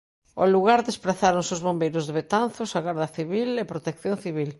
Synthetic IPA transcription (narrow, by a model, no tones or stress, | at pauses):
oluɣaɾðespɾaθaɾoŋsozβombejɾʊzðeβet̪anθosaɣaɾðɐθiβilepɾot̪ekθjõnθiβil